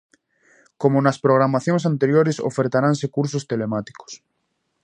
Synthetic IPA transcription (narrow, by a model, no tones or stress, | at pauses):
komonaspɾoɣ̞ɾamaθjoŋsant̪eɾjoɾeso̰feɾt̪aɾansekuɾs̬ost̪elemat̪i̥ko̥s